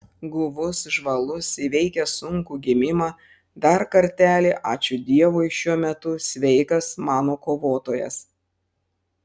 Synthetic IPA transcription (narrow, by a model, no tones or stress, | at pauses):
ɡʊʋʊsʒʋɐlˠʊsiʋʲɛɪkʲɛsʊŋkuːɡʲɪmʲɪmɑ | d̪ɐɾkɐɾʲt̪ʲæːlʲeːʔɑːt͡ʃʲʊd̪ʲiɛʋʊɪʃʲuɔmʲɛt̪ʊsʲʋʲɛɪkɐsmɑːnoːkoːʋoːt̪oːjɛ̰s